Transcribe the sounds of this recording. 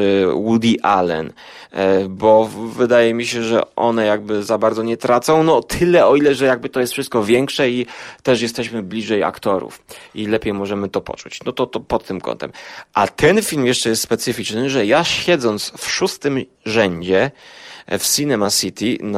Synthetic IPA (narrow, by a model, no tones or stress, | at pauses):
wud̪ʲiʔa̰lɛ̰n | bɔvɘd̪ajɛmʲiɕɛʐɛ̰ʔɔ̰nɛjaɡ̚bɘzabaɾd̪zɔɲɛt̪ɾat̪sɔ̃w̃nɔt̪ʰɘlɛɔilɛʐɛjaɡ̚bɘt̪ɔjɛst̪fʂɘst̪̚kɔvʲjɛŋkʂɛit̪ɛʂjɛst̪ɛɕmɘblʲiʐɛja̰kt̪ɔɾṵfilɛpʲejmɔʐɛmɘt̪ɔpɔ̰t͡ʂut͡ɕnɔt̪ɔt̪ɔpɔt̪ːɘmkɔ̰nt̪ɛ̰mʔat̪ʰɛnfʲilmjɛʂt͡ʂɛjɛst̪spɛt̪sɘfʲit͡ʂnɘʐɛjaɕɛd̪zɔnt̪sfʂust̪ɘm | ʐɛɲd͡ʑɛ | fsinɛmasit̪ʲin